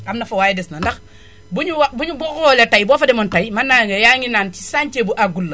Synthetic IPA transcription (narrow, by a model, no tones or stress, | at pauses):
amnafowaːjɛdesnandak | buɲuwbuɲubɔkɔletajboːfademontajmanːaŋejaŋinaːnti̥sant͡ʃebuʔaɡulːo